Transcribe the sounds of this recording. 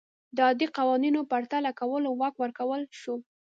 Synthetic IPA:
d̪əɑd̪iqɑwɑninopaɾt̪alakawəlowɑkwəɾkawəlʃu

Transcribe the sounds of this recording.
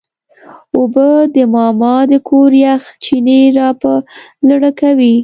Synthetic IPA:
obəd̪əmɑmɑd̪əkʰoɾjaxt͡ʃineɾɑpəzɽəkawi

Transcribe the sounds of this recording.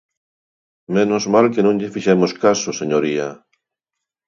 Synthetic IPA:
menozmalkenũŋʎefiʃemoskasoseɲoɾia

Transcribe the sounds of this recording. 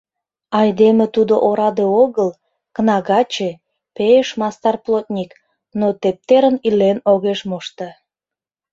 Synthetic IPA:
ɑjd̪emet̪ud̪oʔoɾɑd̪eoɣəl | kənɑɣɑt͡ɕe | peeʃmɑst̪ɑrplot̪̚nʲik | not̪ep̚t̪eɾənilenoɣeʃmoʃt̪e

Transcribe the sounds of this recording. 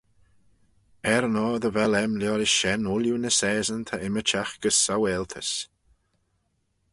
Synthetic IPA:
ɛɾnɔːðəvɛlɛmljɔːɾɪʃʃɛnʊljunəsɛːzənt̪ʰaɪmət͡ʃaxɡ̥əsːawɛːlt̪ʰəs

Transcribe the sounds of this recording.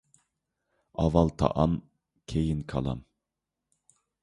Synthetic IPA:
ɑvɑlˠt̪ʰɑ̰ʔɑm | kʲʰejinkʰɑ̰lˠɑ̰m

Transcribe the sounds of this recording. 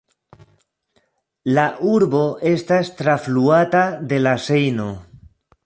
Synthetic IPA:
laʔuɾbo̞ʔe̞stast̪ɾafluatad̪e̞lase̞jno̞

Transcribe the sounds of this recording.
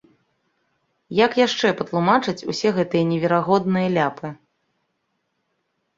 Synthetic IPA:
jɐkjaʂt͡ʂɛpɐt̪lˠumat͡ʂɨt͡sʲusʲɛɣɛt̪ɨjɐnʲɛvʲɛɾaɣɔd̪nɨjɐlʲapɨ

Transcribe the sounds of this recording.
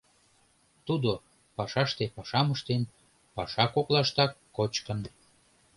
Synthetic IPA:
t̪ud̪o | pɑʃɑʃt̪epɑʃɑməʃt̪en | pɑʃɑkoklɑʃt̪ɑkːot͡ɕkən

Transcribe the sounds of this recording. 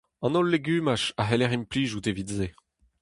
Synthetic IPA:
ɑ̃nɔlːeɡyːmaʃaɦelɛʁimpliːʒutevidze

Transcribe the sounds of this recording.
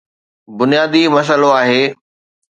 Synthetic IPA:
bʊnijaːd̪imɐs̬əloaːɦeː

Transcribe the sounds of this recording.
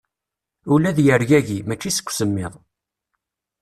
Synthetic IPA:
ulæðjəɾʝæʝimæt͡ʃːisə̥kʷːsəmːɪðˤ

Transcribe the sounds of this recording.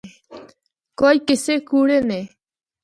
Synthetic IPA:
kojkesekuɾenẽ

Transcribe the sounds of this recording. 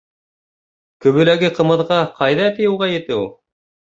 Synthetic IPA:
kɵ̆βɵ̆læɡɘqɤ̆mɤ̆ðʁɑqʰɑjðɑt̪ɘjɤ̆wʁɑjɘ̆t̪ɘulˠ

